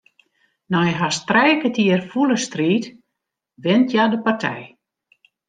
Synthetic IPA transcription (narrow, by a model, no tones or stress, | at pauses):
nɔjɦastrɛjkətiərfuləstriːt | ʋɪntʰjadəpartʰɛ̰j